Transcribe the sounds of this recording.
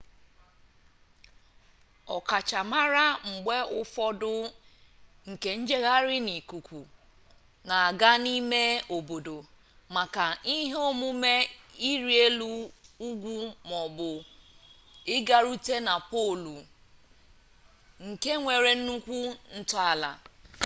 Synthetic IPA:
ɔ˨ka˨t͡ʃa˨ma˦ɾa˦ŋ͡m̩˨ɡ͡be˦ʊ˦fɔ˦dʊ˦ | ŋ̩˨ke˨n̩˦d͡ʒe˦ɣa˦ɾɪ˦ni˨ku˨kʷu˨ | na˨a˨ɡa˦ni˦me˦o˨bo˨do˨ | ma˨ka˨i˦ɦe˦o˦mu˦me˦i˦ɾi˦e˦lu˦u˦ɡʷu˦mɔ˨bʊ˨ | ɪ˦ɡa˦ɾu˦te˦na˨pɔ˦˨lu˨ | ŋ̩˨ke˦ŋʷe˨ɾe˨n̩˦nu˦kʷu˦n̩˦tʊ˦a˨la̰˨

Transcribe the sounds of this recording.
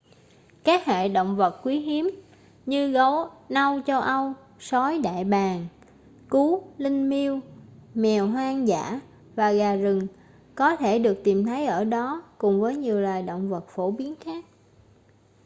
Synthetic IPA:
kaː˦˥k̚ha̰ː˧˨ɗo̰˧˨wŋ͡mvə˨˩t̚kwi˨˦ɦi˨˦əm | ɲɨ˧ɣo˨˦wna˧wt͡ɕɔ˧ʔa˧w | sɔ˨˦jɗa̰ː˧˨jɓaː˨˩ŋ | ku˨˦lï˧ŋ̟mi˧əwmɛ˨˩wɦwaː˧ŋza̰ː˧˩˥ | vaː˨˩ɣaː˨˩zɨ˨˩ŋ | kɔ˨˦t̪ʰe˧˩ɗɨ˨˩ək̚t̪i˨˩mt̪ʰə˨˦jʔəː˧˩ɗɔ˨˦kʊ˨˩ŋ͡mvəː˨˦jɲi˨˩əwlaː˨˩jɗo̰˧˨wŋ͡mvə˨˩t̚fo˧˩ɓi˨˦ənxaː˦˥k̚

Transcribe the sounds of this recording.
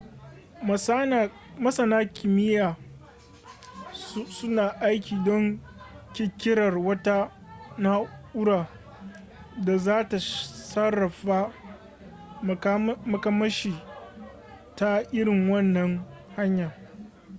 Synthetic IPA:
mɐ˦sɐ˨naː˦kʲʰɪ˨mɪ˦jaː˨˦ | sʊ˦naː˨ʔa˦jkʲʰiː˨dɔ˦ŋkʲɪ˦˨kʲɪ˦ɽɐ˨rwɐ˦ta˦ | na˦ʔʊ˦ɽaː˨ | da˨zaː˦ta˨sɐ˦ɾɐ˨ɸa˦˨˦ | mɐ˨kɐ˦mɐ˦ʃiː˨ | ta˦ʔɪ˦ɾɪ˨ŋwɐ˦nːɐ˨ŋha˦ɲjaː˨

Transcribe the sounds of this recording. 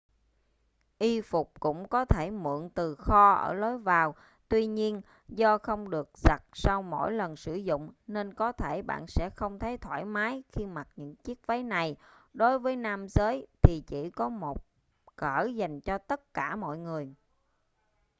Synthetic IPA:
ʔi˧fʊ˨˩k͡p̚kʊ̰˧˥ŋ͡mkɔ˨˦t̪ʰe˧˩mɨ̰˧˨ənt̪ɨ˨˩xɔ˧ʔə̰ː˧˩lo˨˦jvaː˨˩w | t̪wi˧ɲi˧ən | zɔ˧xə˧wŋ͡mɗɨ˨˩ək̚z̥a˨˩t̚sa˧wmo̰˧˥˨jlə˨˩nsɨ˧˩zʊ̰˧˨ŋ͡mne˧nkɔ˨˦t̪ʰe˧˩ɓa̰ː˧˨nsɛ̰˧˥xə˧wŋ͡mt̪ʰə˨˦jt̪ʰwaː˧˩jmaː˨˦jxi˧ma˨˩t̚ɲɨ̰˧˥ŋt͡ɕi˦˥ək̚və˨˦jna˨˩jɗo˨˦jvəː˨˦jnaː˧mzəː˨˦jt̪ʰi˨˩t͡ɕi˧˩kɔ˨˦mo˨˩t̚ | kəː˧˩za˨˩jŋ̟t͡ɕɔ˧t̪ə˦˥t̚kaː˧˩mɔ̰˧˨jŋɨ˨˩əj

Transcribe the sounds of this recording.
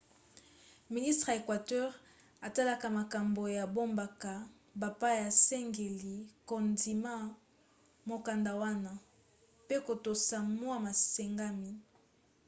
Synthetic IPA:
mi˨ni˦stʁe˨kwa˨tɛ˦ʁ | a˨ta˦la˦ka˨ma˨ka˨mbo˨ja˨bo˦mba˨ka˨ | ba˨pa˦ja˨sɛ˦ŋɡe˨li˨ko˨ndi˨ma˦ | mo˨ka˨nda˨wa˦na˨ | pe˦ko˨to˨sa˨mwa˦ma˨se˨ŋɡa˦mi˨

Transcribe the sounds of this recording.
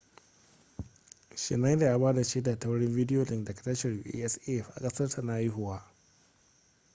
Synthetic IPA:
ʃɪ̰˨na˦da˨ja˦baː˦da˨t͡ʃeː˦da˨ta˦wɽɪ˦mvi˦dɪ˦joː˨lɪ˦ŋdɐ˨kḁ˨tɐ˦ʃɛ˨rju˦ʔḭ˦ʔɛ˦sɛ˦˨fʔa̰˨kʼɐ˦sɐ˦rtʰa˨na˨jɪ˦ɦʊ˨waː˦

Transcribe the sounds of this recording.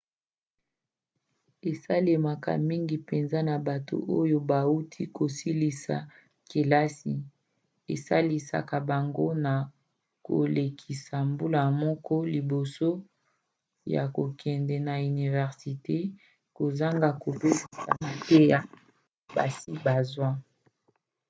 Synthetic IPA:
e˨sa˦le˨ma˨ka̰˨mi˦ŋɡi˨pe˨nza˦na˨ba˨to̰˨ʔo˦jo˦ba˨u˦tʰi˦ko˨si˦li˨sa̰˨ | ke˨la˦si˨ | ḛ˨sa˦li˨sa̰˨ka˨ba˨ŋɡo˦na˨ | ko̰˨le˨kʰi˨sa˨mbu˦la˨mɔ˦kɔ˦li˨bo˨so˦ | ja̰˨ko˨kʰɛ˨ndɛ˨na˨y˨ni˨vɛ˨ʁsi˨te˦ | ko˨za˦ŋɡa˨ko˨be˦ki˨sa̰˨ma˨te˦ja˨ | ba̰˨si˦ba˨zwa˦

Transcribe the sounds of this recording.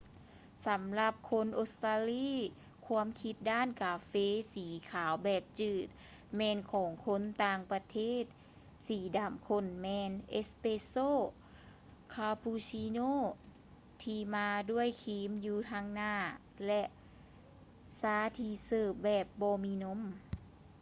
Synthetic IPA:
sa˨˦mla˧p̚kʰo˧˥nʔo˧st̪aː˧liː˧˥˨ | kʰu˧˥əmkʰi˧t̪̚daː˥˨nkaː˧feː˧siː˨˦kʰaː˨˦wbɛː˨˩p̚t͡ɕɯː˧˩t̪̚ | mɛː˧nkʰɔː˩˦ŋkʰo˧˥˨nt̪aː˧ŋpa˧t̪ʰeː˥˨t̪̚ | siː˨˩˦daː˨˧˩mkʰo˧˥˨nmɛː˧nʔe˧˥speː˧soː˥˨ | kʰaː˧pʰuː˧si˧noː˧˥˨ | t̪ʰiː˧maː˧du˥˩əjkʰiː˧˦mjuː˧t̪ʰaː˧ŋnaː˧˩ | lɛ˧ʔ | saː˧˥˦t̪ʰiː˧sɤː˧˩p̚bɛː˨˩p̚bɔː˧miː˧no˧˥˨m

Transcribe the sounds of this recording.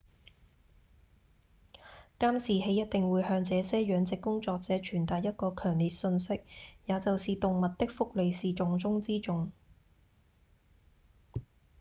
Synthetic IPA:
kaː˥msiː˨he˨˧˥jɐ˥t̚t̪ɪ˨ŋwuː˨˧jhœː˧ŋt͡sɛː˨˧sɛː˥ɥœː˨˧ŋt͡sɪ˨kːʊ˥ŋt͡sɔː˧k̚t͡sɛː˨˧˥t͡ʃʰyː˨˩nt̪aː˨˩j̚jɐ˥t̚kɔː˧kʰœː˨˩ŋliː˨t̚sɵ˧nsɪ˥k̚jaː˨˧t͡sɐ˨wsiː˨t̪ʊ˨ŋmɐ˨t̚t̪ɪ˥k̚fʊ˥k̚le˨˧jsiː˨t͡ʃʊ˨ŋt͡sʊ˥ŋt͡siː˥t͡ʃʊ˨ŋ

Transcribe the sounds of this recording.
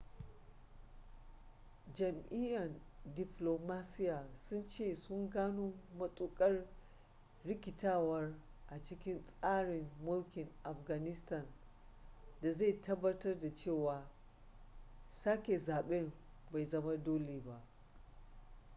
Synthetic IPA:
d͡ʒɐ˨mʔɪ˦jɐ˨ndɪ˨ploː˨maː˦sɪ˦jaː˨sʊ˦nt͡ʃeː˦˨sʊ˦ŋɡaː˦nuː˦mɐ˦sʼu˦kʼɐ˦r | ɽɪ˦kʲɪ˨taː˦wɐ˦rʔa˨t͡ʃɪ˦kʲɪ˦nsʼaː˦ɽɪ˨mːʊ˦lkʲɪ˨ŋʔa˨ɸɡa˨nɪ˦stɐ˦˨n | da˨za˦˨jtɐ˦bːɐ˦tɐ˦rda˨t͡ʃeː˦˨waː˨ | saː˦kʲe˨zaː˨ɓɛ˦m | ba˨jzɐ˦ma˦doː˦leː˨ba˦ʔ

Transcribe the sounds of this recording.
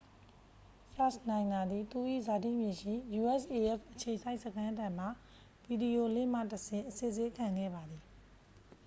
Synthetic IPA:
pʰɹa˦snã˨ɪ̃na˨d̪ði˨t̪u˦˨ʔḭ˦˨za˨tḭ˦˨mjẽ˨ʃḭ˦˨ju˨ʔɛ˦sʔe˨ʔɛ˦˨pʔət͡ɕʰe˨ʔsa˦ɪʔsəkʰã˦dã˨m̥a˨ | bi˨di˨o˨lɪ̰̃˦˨m̥ä̰˦˨təsʰɪ̃˨ʔəse˦˨ze˦kʰã˨ŋɡɛ̰˦˨ba˨d̪ði˨

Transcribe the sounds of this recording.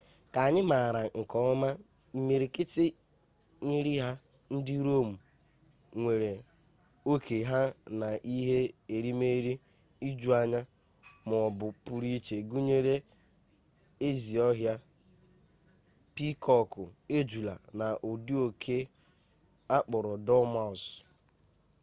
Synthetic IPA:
ka˨ɲɪ˦ma˨ɾa˨ŋ̩˨kɔ˦ma˦ | i˨me˨ɾi˨kɪ˦tɪ˦ | ɲi˦ɾi˦ɦa˦ | n̩˦dɪ˦ɾo˦˨m̩˨ | ŋʷe˨ɾe˨ | o˦kʰe˨ɦa˦na˨ʔi˦ɦe˦e˨ɾi˦me˦ɾi˦ | i˦d͡ʒu˦a˨ɲa˦ | m˨ɔ˨bʊ˨pʊ˨ɾi˦t͡ʃe˨ɡu˦ɲe˦ɾe˦ | e˦zi˨ɔ˦ɦja˦ | pi˦kʰɔ˦kʊ˨e˦d͡ʒu˨la̰˨na˨ʔo˨di˦o˨kʰe˦ | a˦k͡pʊ˨ɾɔ˨dɔ˦ma˨s

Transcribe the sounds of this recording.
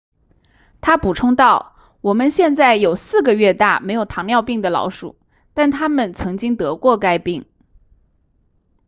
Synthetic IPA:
t̪ʰa˥pu˨˩ʈ͡ʂʰʊ˥ŋt̪ɑ˥˩ʊ | wɔ˨˩mə˧˦nɕjɛ˥˧nt͡sa˥˩ɪjo˨˩ʊsɹ̩˥˩ɡə˨ɥɛ˥˧t̪a˥˩me˧˥ɪjo˨˩ʊt̪ʰɑ˧˥ŋljɑ˥˧ʊpi˥˩ŋd̪ə˩lɑ̰˧˥ʊʂṵ˨˩˦ | t̪a˥˩nt̪ʰa˥mə˨nt͡sʰɤ˧˥ŋt͡ɕi˥ŋt̪ɤ˧˥kwɔ˥˩ka˥ɪpi˥˩ŋ

